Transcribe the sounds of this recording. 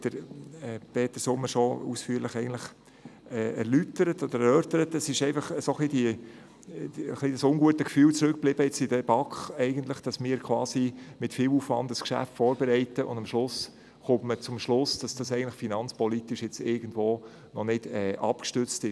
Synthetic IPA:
d̪̥əɾɛpeːt̪əsʊmːəʃoṵsfyːɾləχɛɪɡən̩tləχ | ɛːɛɾlytəɾətɔd̪əɾɛɾœːɾtəɾətɛsɪʃɛɪnfɑχəsoχlid̥i | əχlid̥ɑsʊŋɡuətəkfyːlt͡sɾʏk̚b̥lɪb̥əjɛt͡sɪd̥ɛb̥ɑkχɛɪɡəntləχd̥ɑsmɪːɾkʰwɑːsimɪtfɪwuːfvɑndəskʃæ̰ftfɔːɾbɛɾɛɪtəʔʊ̰nd̥ɑmʃlʊs | χʊmtmət͡sʊmʃlʊsd̥ɑsd̥ɑsɛɪɡntlɪχfinɑnt͡spɔlitɪʃjɛt͡sɪɾɡ̥ən̩dvoː | nɔnɪd̥ɛːʔɑ̰pkʃtʏt͡stɪʃ

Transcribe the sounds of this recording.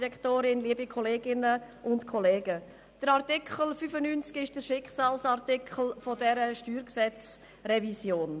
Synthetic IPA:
ɾɛkχtoːɾɪnliəbikʰɔleːɡɪnəʔʊntkʰɔleːɡ̥ə | d̥əɾaʁtɪkʰχəl̩fyfənynt͡skɪʃd̥əɾʃɪkχsɑːlsɑʁtɪkʰχl̩fɔdɛɾəʃtyːɾksɛt͡s | ɾɛvisjoːn

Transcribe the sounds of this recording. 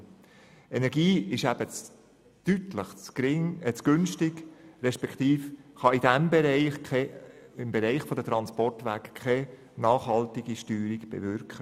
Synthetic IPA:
enɛɾɡiːɪʃæbət͡s | t̪yt̪ləχt͡sɪŋət͡sɡ̥ʏnʃtɪɡɾɛʃpɛkχt̪iːfχɑidæmbɛɾɛɪχkʰɛɪmbɛɾɛɪχfɔd̪ət̪ɾɑnspɔrtʋækkʰːɛ | nɑːχhɑltɪɡ̥iʃtyːɾiɡ̥b̥ɛ̰vʏɾkχə

